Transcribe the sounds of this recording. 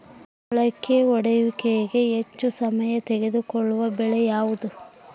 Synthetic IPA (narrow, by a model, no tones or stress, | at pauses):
ɐɭɐkːeɔɽɐjuʋikɛjiɡe̞et͡ʃːusɐmɐjɐt̪eɡe̞d̪ukɔɭːuʋɐbɛɭɛjaːʋud̪u